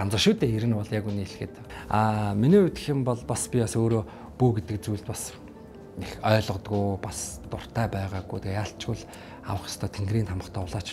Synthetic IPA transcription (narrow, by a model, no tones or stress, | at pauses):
ant͡sə̆ʃuːt̪eːeɾɘ̆nɔɮjakuniːɮxɘ̆t̪ | aːminiːut̪ɘ̥̆xɘ̆mpɔɮpaspʲipasoːɾoː | puːɡet̪ɘ̆kt͡sujɮt̪pas | nexœːɮʁɞ̆t̪ɡujpast̪ʊr̥t̪ʰæːpæːʁaːɡuːt̪ejaːɬt͡ɕɡʊɮ | a̰wə̆χjḁst̪ʰœːt̪ʰeŋɡriːnt̪ʰamə̆χt̪ʰɔːʊɮaːt͡ɕ